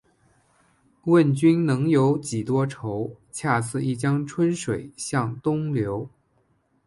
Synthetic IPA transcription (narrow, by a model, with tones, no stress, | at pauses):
wə˥˩nt͡ɕy˥nnɤ˧˥ŋjo˧˥ʊt͡ɕi˨˩t̪wɔ˥ʈ͡ʂʰo˧˥ʊ | t͡ɕʰja˥˧t͡sʰɹ̩˥˧i˥˩t͡ɕjɑ˥ŋʈ͡ʂʰwə˥nʂwe˨˩ɪɕjɑ˥˩ŋt̪ʊ˥ŋljo˧˥ʊ